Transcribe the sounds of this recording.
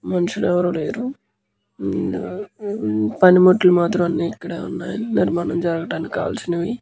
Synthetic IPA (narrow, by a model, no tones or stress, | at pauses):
mɐnɐʂuɽɛʋɐɾuːleːɾu | pɐnimoʈːulumaːt̪ɾɐmɐnːiːikːɐɽaːṵnːaːjɐiniɾmaːnɐmd͡ʒɐɾɐɡɐʈaːnikʲːa̰ːʋɐlsinɐʋi